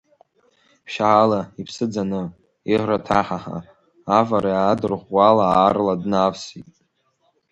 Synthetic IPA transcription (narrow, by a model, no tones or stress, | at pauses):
pʃaʕalaipʰsɨd͡zanɨ | iħratʰaħaħa̰ | avaɾajadɨrʁʷwalaarladnavsitʼ